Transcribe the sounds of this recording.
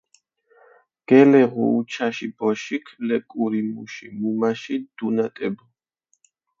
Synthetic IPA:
ɡ̥ɛlɛʁṵːt͡ʃʰaʃibɔʃikʰlɛkʼuɾimuʃimumaʃid̪̥unat̪ʼɛbɔ

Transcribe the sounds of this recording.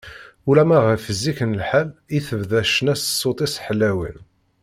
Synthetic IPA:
ulæmæʁəfəzːikənəlħaliθəvðæʃənæssˤːot̪ˤisħəlːæwə̰n

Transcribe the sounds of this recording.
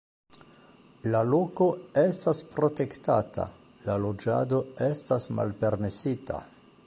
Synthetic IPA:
lalo̞ko̞e̞staspɾo̞te̞ktatʰa̰ | lalo̞d͡ʒa̰do̞e̞stasma̰lpe̞ɾme̞sita̰

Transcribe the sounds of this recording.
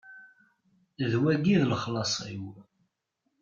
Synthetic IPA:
ðwæɡiðləχlɑsˤḭw

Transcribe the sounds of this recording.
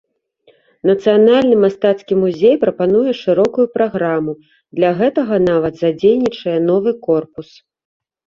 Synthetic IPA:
nɐt̪sɨjanalʲnɨmast̪at̪skʲimuzʲejpɾɐpanujɛʂɨɾɔkujupɾaɣɾamu | d̪lʲɐɣɛt̪ɐɣɐnavɐt̪zad͡zʲejnʲit͡ʂɐjɛnɔvɨkɔrpus

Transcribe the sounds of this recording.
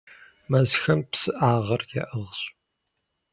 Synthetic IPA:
mɐzxɐmpsɨʔaːʁɐrjɛ̰ʔəʁɕ

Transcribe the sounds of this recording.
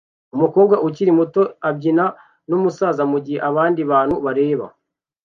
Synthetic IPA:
umuko̞ːbɡaʔuciɾimuto̞ab̚ɟina | numusaːzamuɟiheʔaβaːndiβaːn̥huβaɾe̞ːβa̰

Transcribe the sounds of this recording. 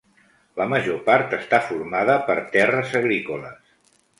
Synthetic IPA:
ləməʒopaɾt̪əst̪afuɾmaðəpəɾt̪ɛrəzəɣɾikolə̰s

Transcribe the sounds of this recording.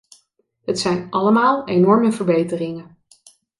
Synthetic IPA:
ɦətsɛjnɑləmaːlˠejnɔɹməvəɹbejtərɪŋə

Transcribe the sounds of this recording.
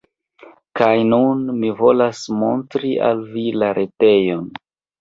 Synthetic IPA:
kajnunmivo̞lasmo̞ntɾia̰lvilaɾʔete̞jo̞n

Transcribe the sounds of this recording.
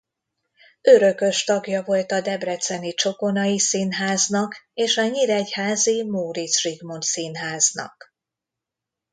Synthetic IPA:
øɾø̞kø̞ʃt̪ɒɡjɒvo̞lt̪ɒd̪ɛbrɛt̪sɛnit͡ʃo̞ko̞nɒjisinɦaːznɒkeːʃɒɲiɾɛchaːzimoːɾit̪sriɡmo̞nt̪sinɦaːznɒ̰k

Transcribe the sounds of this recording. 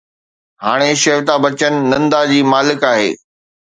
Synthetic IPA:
haːɽ̃eʃeːʋt̪abɐt͡ɕənɪ̆ːɐ̃nd̪ad͡ʑiːmaːlɪkaːɦḛː

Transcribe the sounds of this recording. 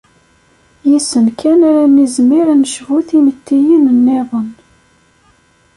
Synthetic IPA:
jisənkʰænaɾænːizmiɾænəʃvuθimət̪ːijinənːeðˤən

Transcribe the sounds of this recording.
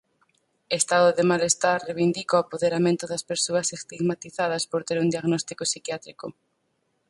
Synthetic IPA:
est̪aðoðemalest̪aɾreβind̪ikaoapoðeɾamẽnt̪ʊðɐspeɾsoɐsest̪iɣmat̪iθað̞ɐspoɾt̪eɾund̪iaɣnɔst̪ikosikjat̪ɾiko

